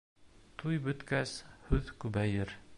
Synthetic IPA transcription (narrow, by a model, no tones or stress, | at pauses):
t̪ʰujbɵ̆t̪kæshɵðkʉbæjɘɾ